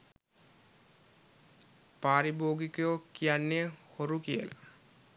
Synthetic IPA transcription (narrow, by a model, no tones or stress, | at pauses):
paːɾiboːɡikojokijanːehoɾukiəla̰